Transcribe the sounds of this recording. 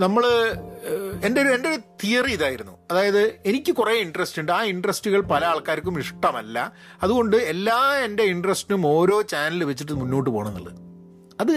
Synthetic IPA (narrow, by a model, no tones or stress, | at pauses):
nɐmːɐɭ | e̞ndeoɾue̞ndeoɾut̪ijɐriiðaːjiɾunːuɐðaːjɐðɨe̞nikʲːɨkureːiɳɖrɐstuɳɖɨaːiɳɖrɐstuɣɐɭpɐlɐaːɭkaːɾkʲːumiʂʈɐmɐlːɐ̰ | ɐðuɣo̞ɳɖɨe̞lːaːe̞nde̞iɳɖrɐstinumo̞ːɾo̞ːt͡ɕaːnɐlɨʋet͡ɕːiʈ̬ːɨmunːo̞ːʈːɨpoːɳɐnːɐ̰ɭːɐ̰ðɨ | ɐðɨ